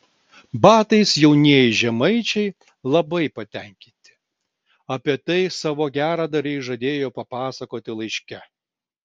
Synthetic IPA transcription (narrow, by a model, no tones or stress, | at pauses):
bɑːt̪ɐɪsjɛʊnʲeːjɪʒʲɛmɐɪt͡ʃʲɛɪ | lˠɐbɐɪpɐt̪ʲɛˑŋʲkʲɪnʲt̪ʲɪ̥ | ɐpʲiɛt̪ɐɪsɑːʋoːɡʲæːɾɑːd̪ɐɾʲɛɪʒɐd̪ʲeːjoːpɐpɑːsɐkoːt̪ʲɪlˠɐɪʃʲkʲɛ